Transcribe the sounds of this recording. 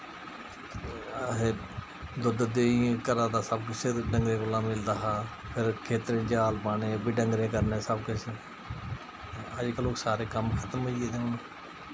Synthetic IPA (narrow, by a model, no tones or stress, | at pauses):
ɦeː | d̪ʊd̪d̪eːkəɾãːd̪aːsəbkʊseːɖəŋɡɾẽːkʊlaːmɪld̪aːɦaː | pʰɪɾkʰeːt̪ɾẽːd͡ʒaːlbaːnẽːbiːɖəŋɡɾẽːkəɾneːsəbkʊt͡ʃe | əd͡ʒkəloːksaːɾeːkəmkʰət̪əmɦoieːd̪eːonː